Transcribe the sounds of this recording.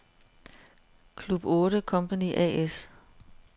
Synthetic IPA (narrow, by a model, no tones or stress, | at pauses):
kʰlub̥ɔ̽ːɾəkʰɒ̽mpʰæniʔɛ̰es